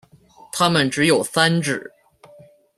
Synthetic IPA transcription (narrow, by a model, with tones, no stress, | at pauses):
t̪ʰa˥mə˨nʈ͡ʂɻ̩˧˥jo˨˩ʊsa˥nʈ͡ʂɻ̩˨˩˦